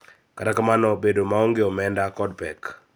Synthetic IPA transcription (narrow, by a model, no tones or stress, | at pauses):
katakamanɔbedomaɔŋɡeɔmɛndakɔdpɛk